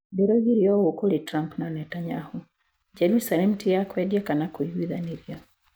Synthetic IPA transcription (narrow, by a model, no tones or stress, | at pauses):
beɾoɡiɾjɔwokoɾitɾampnanɛtaɲahu | d͡ʒɛɾusalɛmtʰɪakwɛdjɛkanakojwiðaniɾja